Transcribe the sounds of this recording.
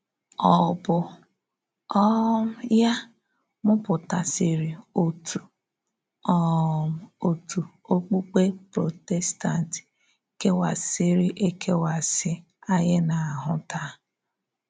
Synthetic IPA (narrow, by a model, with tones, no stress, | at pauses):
ɔ˨bʊ˨ | ɔ˦m̩˦ja˦ | mʊ˦pʊ˨ta˨sɪ˨ɾi˨o˦tʰu˨ | ɔ˦m̩˨o˨tu˨ | o˦k͡pu˦k͡pe˦pɾo˨te˦sta˨ntɪ̥˨ | ke˦wa˨sɪ˦ɾɪ˦ʔe˦kʰe˦wa˨sɪ˦ | a˦jɪ˦na˨a˨ɦʊ˦ta˦